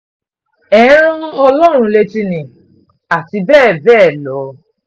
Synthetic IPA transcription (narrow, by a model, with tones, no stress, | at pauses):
ɛ̃˨˦ɾ̃ũ˦ɔ˧lɔ˦ɾ̃ũ˧le˦ti˧nĩ˨ | a˨ti˧bɛː˦˨bɛː˦˨lɔ˨˦